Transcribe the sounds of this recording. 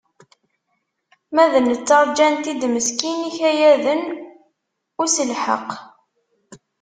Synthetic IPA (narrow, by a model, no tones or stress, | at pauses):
mæðənːət͡sːɑɾˤd͡ʒænt̪id̪məskiniçæjæðən | ʊɾsəlħə̰q